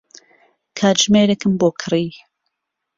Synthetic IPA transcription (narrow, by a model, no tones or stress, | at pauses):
kʰaːʒmeːɾekɨmboːkʰɨriː